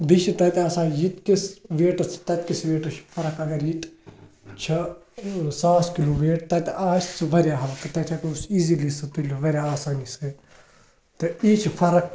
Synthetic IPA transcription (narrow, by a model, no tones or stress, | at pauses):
d̪iʃit̪ɐt̪ɐsãːjit̪kisʋeːʈɐɾt͡sʰt̪ɐt̪̚kisʋeːʈɐɾt͡ʃʰfʰɐɾɐkɐɡɐɾjit̪ | t͡ʃʰɐ | saːskiloːʋeːʈt̪ɐt̪ʔaːst͡sʰɨʋɐɾjaːɦɐʋɐk̪ɐt̪ɐt͡ʃʰɐkusiːzilisɨt̪ulʲʋɐɾʲjaaːsaːnisɨ | t̪ɐiːt͡ʃʰifʰɐɾɐk